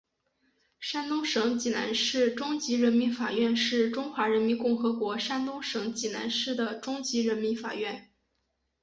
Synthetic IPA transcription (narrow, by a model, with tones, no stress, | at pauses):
ʂa˥nt̪ʊ˥ŋʂɤ˧˥ŋt͡ɕi˨˩na̰˧˥nʂɻ̩˥˩ʈ͡ʂʊ˥ŋt͡ɕi˧˥ɻə˧˥nmi˧˥nfa˨˩ɥɛ˥˧nʂɻ̩˥˩ʈ͡ʂʊ˥ŋxwa˧˥ɻə˧˥nmi˧˥nkʊ˥˩ŋxɤ˧˥kwɔ˧˥ʂa˥nt̪ʊ˥ŋʂɤ˧˥ŋt͡ɕi˨˩na̰˧˥nʂɻ̩˥˩d̪ə˩ʈ͡ʂʊ˥ŋt͡ɕi˧˥ɻə˧˥nmi˧˥nfa̰˨˩ɥɛ˥˩n